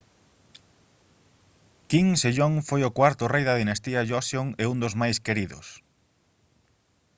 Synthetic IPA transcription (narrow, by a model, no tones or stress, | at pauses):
kiŋseʎoŋfojokwaɾt̪ʊrejðɐðinast̪iaʒosjoŋɛund̪ozmajskeɾiðʊ̰s